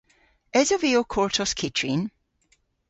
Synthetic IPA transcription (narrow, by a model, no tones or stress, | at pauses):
ɛzɔviokʰɔɹtʰɔskʰɪtʰɹin